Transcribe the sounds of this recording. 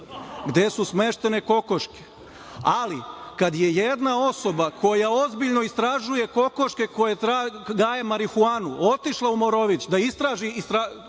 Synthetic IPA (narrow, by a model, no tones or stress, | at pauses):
ɡd̪e̞susme̞ʃt̪e̞ne̞ko̞ko̞ʃke̥ | alikad̪je̞jed̪nao̞so̞bakʰo̞jao̞zbiʎno̞ist̪ɾaʒuje̞ko̞ko̞ʃke̞ko̞jet̪ɾaɡaːjemaɾixuaːnuʔo̞t̪iʃlˠaumo̞ɾo̞ʋit͡ɕd̪aist̪ɾaːʒiist̪ɾa